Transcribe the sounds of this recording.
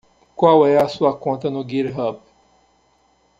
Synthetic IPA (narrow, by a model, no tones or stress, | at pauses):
kwawɛɐsuɐkõnt̪ɐnʊɡiɾɦɐp